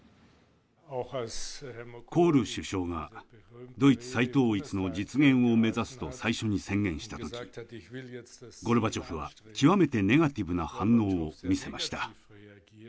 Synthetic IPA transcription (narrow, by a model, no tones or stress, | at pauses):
ko̞ːɾɯ̟ɕɨɕo̞ːŋa | d̪o̞it͡sɨ̥sait̪o̞ːit͡sɨno̞d͡ʑit͡sɨɡẽ̞ɰ̃o̞me̞zasɨ̥t̪o̞saiɕo̞ɲ̟isẽ̞ŋɡẽ̞ɰ̃ɕi̥t̪at̪o̞kʲi̥ | ɡo̞ɾɯ̟bat͡ɕo̞ɸɯ̟βa̰kʲiβame̞t̪e̞ne̞ɡat̪ʲibɯ̟nahãnːo̞ːomʲise̞maɕi̥t̪a